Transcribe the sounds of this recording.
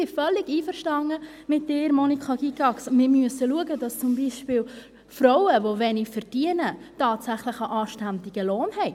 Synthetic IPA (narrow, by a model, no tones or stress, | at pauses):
ɪfœlːɪɡiːfəɾʃtɑŋə | mɪt̚dɪːɾmɔnikχɑɡiɡɑksmɪːɾmyəsəluəɡədɑst͡sʊmbiːʃpɪːl | frɔwəʋoʋɛnɪfɛɾd̥iənətɑːtsæχləχəʔɑːʃtændɪɡ̥əloːnhɛɪ